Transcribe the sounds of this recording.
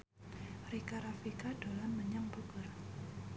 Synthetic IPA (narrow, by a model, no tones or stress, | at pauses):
rikaɾafikad̥olanməɲaŋbəɡʊr